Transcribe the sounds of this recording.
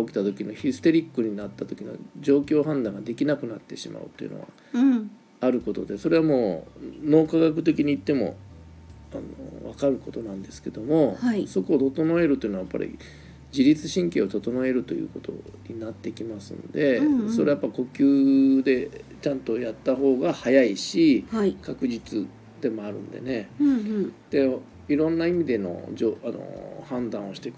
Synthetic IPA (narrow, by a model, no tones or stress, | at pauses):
okʲi̥t̪at̪o̞kʲino̞çisɨ̥t̪e̞ɾʲikːɯɲ̟inat̪ːat̪o̞kʲino̞̰d͡ʑo̞ːkʲo̞ːɦãnd̪ãŋɡad̪e̞kʲinakɯ̟nat̪ːe̞ɕima̰ɯ̟̰t̪ːojiɯ̰no̞̰ɡa̰ | aɾɯ̟ko̞t̪o̞d̪e̞so̞ɾe̞βamo̞ːno̞ːkaɡakɯ̟t̪e̞k̬ʲiɲ̟iːt̪ːe̞mo̞̰ | ano̰βakaɾɯ̟ko̞t̪o̞nãnd̪e̞sɨ̥ke̞d̪o̞mo̞aiso̞koːt̪o̞t̪o̞noe̞ɾɯt̪oi̟noajapːa̰ɾʲʔḭ | d͡ʑiɾʲit͡sɨɕĩŋke̞o̞t̪o̞t̪o̞noe̞ɾɯ̟t̪o̞jɯ̟̰ːko̞t̪o̞̰ɲ̟ḭnat̪ːe̞kʲimasɨ̰̃nd̪e̞so̞ɾe̞japːaiko̞kʲɨːd̪e̞t͡ɕãnt̪o̞jat̪ːaɦo̞ːɡahajaiɕiakakɯ̟d͡ʑit͡sɨ | d̪̥e̞mo̞aɾɯ̟̰̃nd̪e̞̰ne̞ | d̪̥e̞ | iɾõ̞nːaimʲid̪e̞no̞̰d͡ʑoːano̰hãnd̪ãɰ̃o̞ɕi̥t̪ek